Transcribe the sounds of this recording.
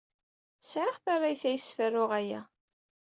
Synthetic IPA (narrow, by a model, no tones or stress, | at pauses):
sʕəχθaɾˤːajθæjəsfərːʊʁæjæ̰